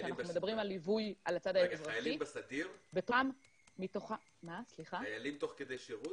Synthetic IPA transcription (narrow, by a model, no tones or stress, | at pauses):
eanaχnumed̪abʁimalivujʔalat͡sad̪aeezʁaaalimbesad̪iʁbetomː | it̪oχa | masliχaajalimt̪o̞χked̪ejʃeʁut